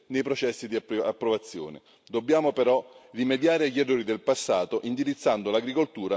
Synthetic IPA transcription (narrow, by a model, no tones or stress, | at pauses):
nejpɾot͡ʃɛsːid̪iaapːɾovat̪sːjɔ̰ːnɪ̰ | d̪obːjaːmopɛɾɔrimed̪jaːɾɪaʎːɛrːoːɾid̪elpasːaːt̪oʔind̪iɾit̪sːand̪olaɡɾikolt̪uːɾa